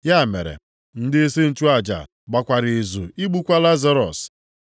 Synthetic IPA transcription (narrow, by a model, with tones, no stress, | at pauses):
ja˦˨mḛ˨ɾḛ˨ | n̩˦dɪ˦e˦se˦n̩˦t͡ʃu˦a˨d͡ʒa̰˨ | ɡ͡ba˨kʷa˨ɾɪ˨e˨zu˨i˦ɡ͡bu˦kʷa˦la˦za˦ɾɔ˨s